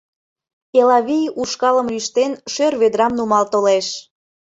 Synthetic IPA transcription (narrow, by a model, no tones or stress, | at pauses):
elɑβijuʃkɑlə̆mlyʃt̪enʃørβed̪ɾɑmnumɑlt̪oleʃ